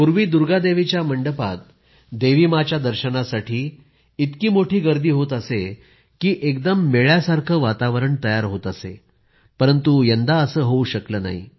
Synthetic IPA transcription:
puɾʋiːd̪uɾɡad̪eʋit͡ɕjaməɳɖəpa̰t̪̚ | d̪eʋimat͡ɕjad̪əɾɕənasaʈʰiː | it̪kiːmoʈʰiːɡəɾd̪iːɦot̪əse | kiːʔekd̪əmːeɭjasaɾkʰəːʋat̪aʋəɾəɳt̪əjaɾɦot̪əsḛ | pəɾənt̪ujənd̪aəsəːɦouɕəkləːna̰ɦḭ

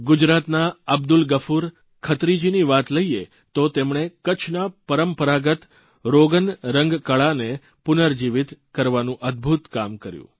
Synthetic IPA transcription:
ɡʊd͡ʒɾat̪naəb̚d̪ulɡəfʰuɾ | kʰət̪ɾid͡ʒiniʋat̪ləie | t̪ot̪emɳ̃ekət͡ʃʰnapəɾəmpəɾaɡət̪ | ɾoɡənɾəŋɡkəɭane | pʊnəɾd͡ʒiʋit̪kəɾʋanũʔəd̪̚bʱut̪kamkəɾjṵ̃

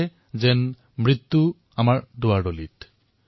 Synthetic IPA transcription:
ɛ | zɛn | mɹit̪ːu | amaɹdʊaɹdolḭt

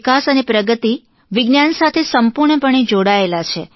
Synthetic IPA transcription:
kasənepɾəɡət̪i | ʋɪɡnjansat̪ʰesəmpuɾɳəpəɳ̃ed͡ʒoɽaelat͡ʃʰe

